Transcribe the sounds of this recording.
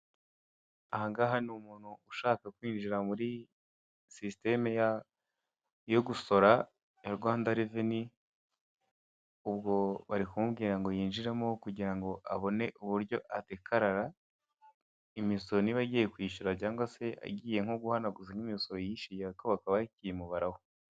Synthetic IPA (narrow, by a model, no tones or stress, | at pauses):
ahaŋɡaɦanumuːn̥huuʃaːkakwiːnd͡ʒiɾamuɾi | siste̞meja | jo̞ɡuso̞ɾa | jaɾɡwaːndaɾeveni | ubɡo̞βaɾikumubɡiːɾaŋɡo̞jiːnʒiɾemokuɟiɾaŋɡo̞ʔaβo̞ne̞ʔuβuɾɟo̞ʔatekʰaɾaɾa | imisoɾoniβaɟiːje̞kwiːʃuɾacaːŋɡose̞ʔa̰ɟiːje̞ŋ̥oɡuhanaɡuziŋɡimisoɾojiʃijaikoβakaβaicijimuβaɾaho